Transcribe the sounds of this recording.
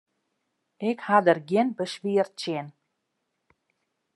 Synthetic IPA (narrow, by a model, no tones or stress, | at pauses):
ɪkhadərɡjɪnbəsʋiərtt͡ʃjɪn